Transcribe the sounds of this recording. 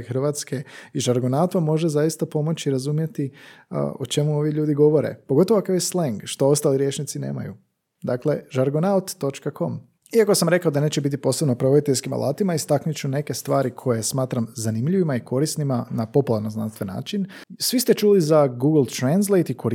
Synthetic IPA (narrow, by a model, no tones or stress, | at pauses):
xr̩ʋat̪ske̞iʒaɾɡonaut̪ʋamːo̞ʒezajist̪apo̞mo̞t͡ɕiɾazumje̞t̪ḭ | ot͡ʃe̞muo̞ʋjeʎuːd̪iɡo̞ʋo̞ɾḛpoɡot̪̬oakojesleŋɡʃt̪o̞o̞st̪aːliɾje̞ːt͡ʃnit̪sinḛːma̰jṵ | d̪akle̞ʒaɾɡonaut̪ːo̞t͡ʃkakʰo̞m | iako̞samɾe̞kaod̪ane̞ːt͡ɕebit̪̬ipo̞ːsebnopɾood̪it̪eskima̰lˠʔa̰ːt̪imaist̪aknut͡ɕune̞ke̞st̪ʋaːɾikʰo̞jesmaːt̪ɾamzanimʎiʋimaikʰo̞ɾisnimanapo̞pulˠaɾno̞zna̰nst̪ʋe̞nːa̰ːt͡ʃin | sʋist̪e̞t͡ʃuːlizaɡuːɡlˠt̪ɾans̬lˠejt̪ikʰo̞ɾ